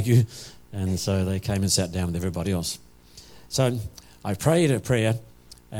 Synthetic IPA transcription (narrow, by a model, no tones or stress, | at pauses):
kjɨɨ̃nsoʊðeɪkʰẽɪ̃mɨ̃nsæt̚d̥ãʊ̃nwɨðɛvɹibɑɾiɛlˠs | soʊ | aɪpʰɹ̥eɪɾɨpʰɹ̥ɛɹ